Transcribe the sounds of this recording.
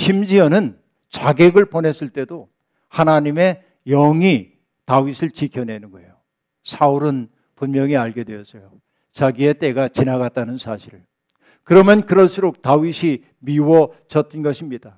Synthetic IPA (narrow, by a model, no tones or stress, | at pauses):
ɕʰimd͡ʑiʌnɯn | t͡ɕaɡeɡɯɭpone̞s͈ʰɯɭt͈e̞do | hanaɲime̞ | jʌŋi | tawisʰɯɭt͡ɕikʰjʌne̞nɯɡojo | sʰauɾɯn | punmjʌŋiaɭɡe̞dwe̞jʌs͈ʌjo | t͡ɕaɡie̞t͈e̞ɡat͡ɕinaɡat͈anɯnsʰaɕʰiɾɯɭ | kɯɾʌmjʌnkɯɾʌɭs͈uɾok̚tawiɕʰi | miwʌt͡ɕʌt͈ɯnɡʌɕʰimɲid̥a